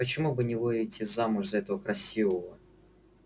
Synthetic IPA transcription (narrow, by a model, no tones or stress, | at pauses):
pət͡ɕɪmubɨnʲɪvɨjɪtʲɪzamʊʐzɐɛt̪əvəkɾɐsʲivəvə